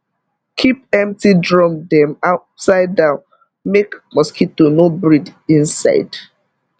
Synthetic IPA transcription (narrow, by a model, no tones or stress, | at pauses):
kʰipɛ̃mtidɹɔ̃mdɛ̃maʊtsaɪdãʊ̃n | mekmɔskʰitunobɹidĩnsa̰ɪd